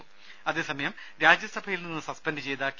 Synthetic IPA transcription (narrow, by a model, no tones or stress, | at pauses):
ɐðe̞ːsɐmɐjɐm | ɾaːd͡ʑjɐsɐbʱɐjilninːɨsɐspɐndɖɨt͡ɕe̞jt̪aːkː